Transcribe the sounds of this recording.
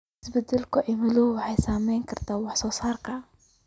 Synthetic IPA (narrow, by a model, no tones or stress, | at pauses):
ɪsbɛd̪ɛlkʰʊʔɛmɪlʊhʊwɑħɑjsaːmɛjŋkʰɐrt̪ʰaːwɑħsɔːsaːrkʰɐ